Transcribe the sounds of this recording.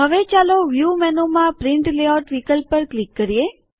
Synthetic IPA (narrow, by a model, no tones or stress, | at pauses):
ɦəʋet͡ʃaloʋjumɛnomãpɾɪɳʈleɔʈʋikəlpːəɾklikːəɾije